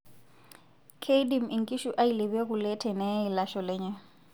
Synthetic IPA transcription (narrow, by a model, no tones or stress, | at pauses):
kʰejdimiŋkʼiʃuʔajlebɛkulɛtʰɛnɛjlaʃɔlɛɲa